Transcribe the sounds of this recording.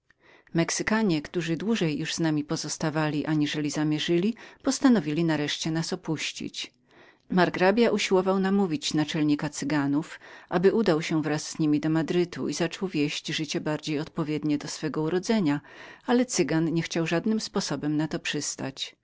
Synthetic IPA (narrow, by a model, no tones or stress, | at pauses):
mɛksɘkaɲɛkt̪uʐɘd̪wuʐɛjːuʐznamʲipɔzɔst̪avalʲiʔaɲiʐɛlʲizamʲjɛʐɘlʲipɔst̪anɔvʲilʲinaɾɛʂt͡ɕɛnasɔpuɕt͡ɕḭt͡ɕ | maɾɡɾabʲjaʔuɕiwɔvawnamuvʲit͡ɕnat͡ʂɛlɲikat̪sɘɡanufʔabɘʔud̪awɕɛvɾasz̥ɲimʲid̪ɔmad̪ɾɘt̪ṵʔizat͡ʂɔwvʲjeɕd͡ʑʐɘt͡ɕɛbaɾd͡ʑejɔt̪̚pɔvʲjɛd̪ɲɛd̪ɔsfɛɡɔuɾɔd̪zɛɲaalɛt̪sɘɡanɲɛxt͡ɕawʐad̪nɘmspɔsɔbɛmnat̪ɔpʂɘst̪a̰t͡ɕ